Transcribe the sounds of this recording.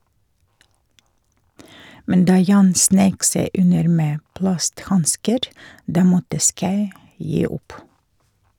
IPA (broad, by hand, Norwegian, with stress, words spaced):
ˈmɛn ˈdɑː ˈjɑːn ˈsneɪk ˈseɪ ˈʉnəɾ ˈmeː ˈplɑstˌhɑnskəɾ ˈdɑː ˈmɔtə ˈskɑʉ ˈjiː ˈʊp